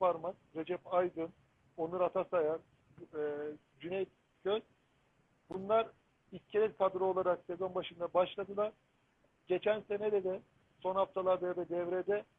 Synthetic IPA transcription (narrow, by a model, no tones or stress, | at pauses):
paɾmazɾe̞d͡ʒɛpajd̪ɯn | o̞nuɾat̪ʰasajaɾ | d͡ʒynɛj | cʰøj | bunlˠaɾ | iscʰeɾʲɛkʰad̪ɾɯo̞lˠaɾakse̞zo̞nbaʃɯnd̪abaʃlˠad̪ɯlˠaɾ̥ | ɟet͡ʃʰænse̞nɛd̪ɛd̪ɛ | so̞nhaft̪ʰalˠaɾd̪ajad̪ad̪ɛvɾed̪ɛ